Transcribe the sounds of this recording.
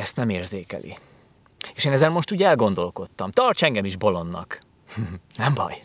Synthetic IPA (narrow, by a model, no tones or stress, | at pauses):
ɛst̪nɛmeːrzeːkɛ̰lʔḭ | eːʃeːnɛzɛrmo̞ʃt̪uːɟɛlɡo̞nd̪o̞lko̞t̪ːɒmt̪ɒrt͡ʃɛŋɡɛmiʒbo̞lo̞nːɒ̰k̩ | nɛmbɒ̰j